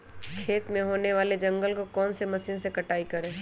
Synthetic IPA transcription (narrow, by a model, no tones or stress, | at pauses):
kʰeːt̪mẽɦoːneʋaːled͡ʒɐ̃ŋɡəlkokɔːnsemɐsiːnsekɐʈaːikɐɾẽː